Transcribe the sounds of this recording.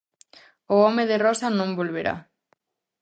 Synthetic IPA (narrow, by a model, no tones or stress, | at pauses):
ʊɔmeðerɔsanõmbolβeɾa̰